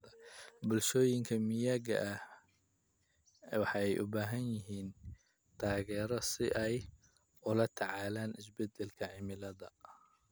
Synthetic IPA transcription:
bʊlʃɔːjɪŋkʰɐmɪjɐɡɐ̰ʔɐh | wɑħɑɛjʔʊbaːɦɐnjɪɦiːn | t̪ʰaːɣɛːɾɔsɪʔɛj | ʊlɐt̪ʰɑʕɑːlaːnʔɪsbɛd̪ɛlkʰɐʕɪmɪlɐðɐ

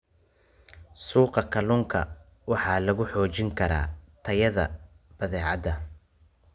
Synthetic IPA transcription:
suːqɑkʰɐluːŋkʰɐ̰ | wɑħɑːlɐɣʊħɔːt͡ʃɪŋkʰɐɾa̰ːt̪ʰɐjɐðɐ̰ | b̥ɐðɛːʕɑ̰d̪ɐ

